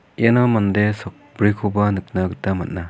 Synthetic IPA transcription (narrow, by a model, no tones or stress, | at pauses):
jenɔmandesɔk̚bɾikʰubanɯk̚naɡɯtamat̚na